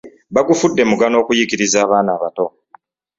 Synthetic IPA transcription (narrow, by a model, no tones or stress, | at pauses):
βaɡufudːe̞muɡano̞ːkujikiɾizaːβaːnaːβato̞